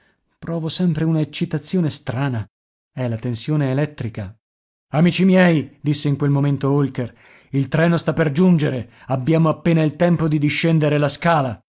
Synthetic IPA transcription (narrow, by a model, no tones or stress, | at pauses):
pɾɔːvosɛmpɾeunaet͡ʃːit̪at̪sːjoːnest̪ɾaːna | ɛlat̪ensjoːneːlɛt̪ːɾika | amiːt͡ʃimjɛid̪isːeiŋkwelmoment̪oolker | ilt̪ɾɛːnost̪apːerd͡ʒund͡ʒeɾe | abːjaːmoapːeːnailt̪ɛmpod̪id̪iʃːɛnd̪eɾelaskaːla